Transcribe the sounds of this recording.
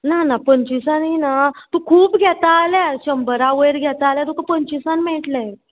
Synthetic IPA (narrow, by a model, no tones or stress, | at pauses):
nanapəɲt͡ɕisãninat̪ũkʰuːpɡʱɛt̪aːljaɕəmbəɾaʋəjɾɡʱjɛt̪aːljat̪ukapəɲt͡ɕisanmɛʈla